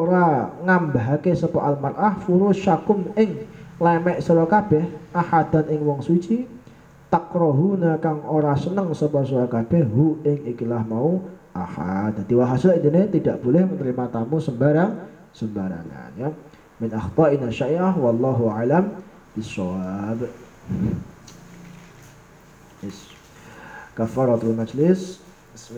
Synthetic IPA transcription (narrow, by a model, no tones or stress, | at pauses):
oɾaŋambaɦakesəpaʔalmarʔahfuɾʊʃakʊmɪŋlemɛʔsəɾokab̥ɛhahad̪̥a̤nɪŋwɔŋsut͡ʃi | t̪akɾɔɦunakaŋʔoɾasənəŋsəpɔsoɾakab̥ɛhɦuɪŋikilahmauʔa̰ha̰t̪̚ad̪iwaɦasaind̪inet̪idaʔb̥olɛhmənəɾimat̪amusəmbaɾaŋ | səmbaɾa̰ŋa̰nja | mɪnʔaxt̪ˤɑʔinaʃaʔiʔawɑlːɑɦuʔaʕlam | b̥ɪsɔwab | s | kafːaɾɑt̪almad͡ʒlɪs